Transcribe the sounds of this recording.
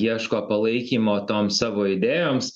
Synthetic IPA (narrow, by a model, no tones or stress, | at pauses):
iɛʃkoːpɐlˠɐɪkʲiːmoːt̪oːmsɑːʋoːɪd̪ʲeːjoːms